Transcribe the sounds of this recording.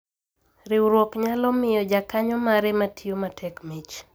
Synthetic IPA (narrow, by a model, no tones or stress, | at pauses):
ɾɪwɾwɔkɲalɔmɪjɔd͡ʒakaɲɔmaɾɛmatʰijomatʰɛkmit͡ʃ